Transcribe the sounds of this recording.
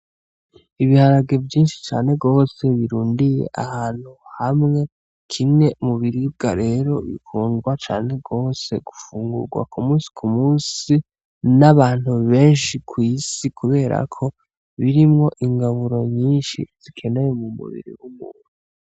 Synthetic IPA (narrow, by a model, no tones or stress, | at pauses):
iβihaɾaɡe̞vjiːnʃi̥t͡ʃaːne̞ɡo̞ːse̞βiɾuːndije̞̰ʔahaːn̥huhamŋe̞ | kʰimŋe̞muβiɾib̚ɡaɾe̞ɾo̞βḭkuːŋɡwat͡ʃa̰ːne̞ɡo̞ːse̞̰ɡ̥ufuːŋɡṵɾɡwa̰kʰumusi̥kʰumuːsi | naβaːn̥huβe̞ːnʃikʰwiːsikʰuβe̞ːɾa̰kʰo̞ | βiɾimŋo̞ʔiŋɡaβuɾo̞ɲiːnʃḭz̥ikʰe̞ne̞je̞mumṵβḭɾḭwumuːn̥u